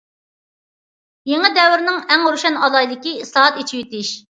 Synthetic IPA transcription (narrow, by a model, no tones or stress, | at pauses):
jeŋɪd̪ɛwɪɾnɪŋɛŋɾuʃɛnɑlˠɑjlˠɪkʲiislˠɑɦɑt̪et͡ʃʰijyt̪ɪʃ